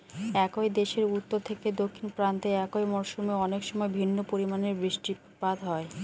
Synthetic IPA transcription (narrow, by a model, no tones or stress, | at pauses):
ɛkojd̪eʃeɾut̪ːoɾt̪ʰeked̪okʰːinpɾant̪eɛkojmɔɾʃumeɔnekʃɔmɔebʱinːopoɾimaneɾbɾiʃʈi | pad̪ʱɦɔe